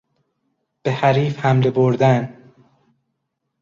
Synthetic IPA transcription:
b̥ehæɾiːfhæmleboɾd̪æn

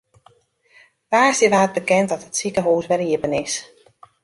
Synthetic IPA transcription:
ʋaːsəʋaːt̚bəkɛntdɔtətsikəɦuːsʋɛriəpənɪs

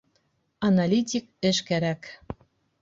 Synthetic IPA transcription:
ɑnɑlʲit̪ʲik̚ɘ̆ʃkæɾæk

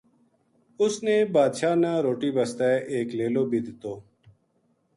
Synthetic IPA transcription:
ʊsneːbaːd̪ʃaːnãːɾoːʈiːbəst̪ɛːʔeːkleːloːbiːd̪ɪt̪oː

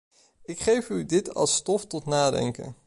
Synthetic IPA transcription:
ɪkχejfydɪtɑ̰lˠstɔftɔtnaːdɛ̰ŋkə̰n

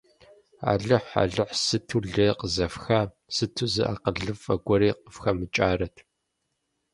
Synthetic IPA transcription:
a̰ːɮɨħa̰ɮɨħsɨtʰuːɮeːqəzɐfxɐ | sɨtʰuzɨ̰ʔa̰ːqəɮɨfʼɐɡʷɔɾiːq̚əfxɐmɨt͡ʃʼaːrɐtʰ

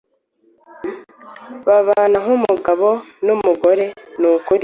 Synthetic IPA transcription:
βaβaːnaŋumuɡaβonumuɡo̞ɾe̞nukuɾi

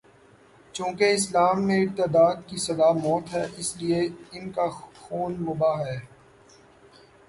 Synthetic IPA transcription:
t͡ʃũːkeɪslaːmːẽɪɾt̪ɪd̪aːd̪̚kisɐd̪aːmɔːt̪ɦɛːʔɪslieɪnkaxuːnmʊbaːɦɦɛː

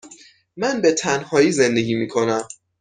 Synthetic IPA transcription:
mænbe̞t̪ʰænhɒːjiːze̞nd̪e̞ɡʲiːmiːkʰo̞næm

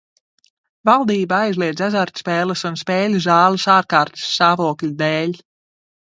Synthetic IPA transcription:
valˠd̪iːbaajzliɛd̪zazaɾt̪ʲspɛːlˠɨsunspɛːlʲzaːlˠɨsaːɾkaːɾt̪sːaːvuɔklʲud̪eːlʲ

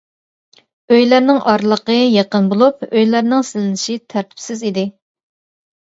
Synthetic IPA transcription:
øjlæɾnɪŋʔɑɾlˠəqəjeqənbolˠupøjlæɾnɪŋsɪlɪnɪʃit̪ʰæɾt̪ʰɪ̥psɪzid̪ɪ

